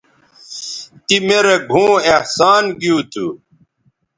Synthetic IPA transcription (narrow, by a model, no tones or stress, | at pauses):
t̪imeɾeɡʱũːehsaːnɡjũːt̪ʰu